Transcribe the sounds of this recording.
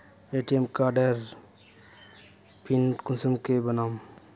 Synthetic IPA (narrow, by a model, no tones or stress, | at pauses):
eʈijemkaːɾɖəɾ | pʰinkunsumkebɐnaːm